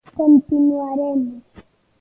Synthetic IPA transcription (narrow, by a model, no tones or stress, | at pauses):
kont̪ɪnuaɾemɪ